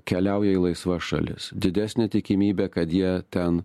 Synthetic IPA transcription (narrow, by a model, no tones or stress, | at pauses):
kʲɛlʲæʊjɛiːlˠɐɪsʋɐʃɐ̰lʲɪ̰sd̪ʲɪd̪ʲæːsʲnʲet̪ʲɪkʲɪmʲiːbʲeːkɐt̪jiɛt̪ʲɛn